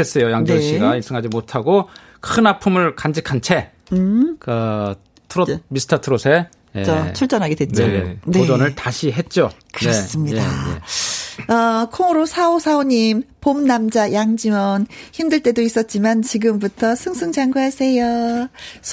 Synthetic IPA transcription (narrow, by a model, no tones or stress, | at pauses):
es͈ʌjojaŋnd͡ʑiɕɕiɡainsʰɯŋɦad͡ʑimotʰaɡo | kʰɯnapʰumɯɭkand͡ʑikʰant͡ɕʰe̞ | kɯ | tʰɯɾomisʰɯ̥tʰatʰɯɾosʰe | jet͡ɕʌt͡ɕʰuɭt͡ɕ͈ʌnɦaɡedwet͡ɕo̰neod͡ʑʌnɯɭtaɕʰiɦe̞t̚t͡ɕ͈okɯnɾʌes͈ɯmɲidaḛ | ʌkʰoŋɯɾosʰaosʰaoɲimpomnamd͡ʑajaŋd͡ʑimʌnçimdɯɭt͈e̞dois͈ʌt̚t͡ɕ͈imant͡ɕiɡɯmputʰʌsʰɯŋsʰɯŋd͡ʑaŋɡuɦasʰe̞jo